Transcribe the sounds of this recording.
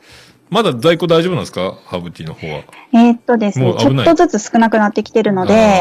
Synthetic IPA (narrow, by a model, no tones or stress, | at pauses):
mad̪azaikoːd̪aiʑobɯnãd̪esɨ̥kahabɯ̟t̪ʲːinohoːβa̰et̪ːo̞d̪e̞sɨmoat͡ɕo̞t̪aːo̞zɨt͡sɨsɨ̥kɯ̟nakɯ̟nat̪ːe̞kʲi̥t̪e̞ɾɯ̟no̞d̪e̞